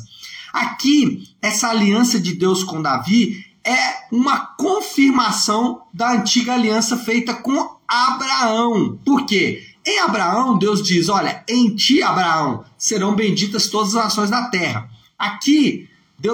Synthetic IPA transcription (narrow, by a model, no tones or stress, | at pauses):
akiɛsɐaliɐ̃sɐd͡ʒɪd̪ewskõd̪aviɛũmɐkõfiɾmasɐ̃w̃d̪ɐɐ̃nt͡ʃiɡɐaliɐ̃sɐfejt̪ɐkõabɾaɐ̃w̃poɾkeẽj̃abɾaɐ̃w̃d̪ewzd͡ʒizɔʎɐẽj̃t͡ʃiabɾaɐ̃w̃seɾɐ̃w̃bẽd͡ʒit̪ɐst̪od̪ɐzɐznasõj̃zd̪ɐt̪ɛhɐ̰ | aki | d̪e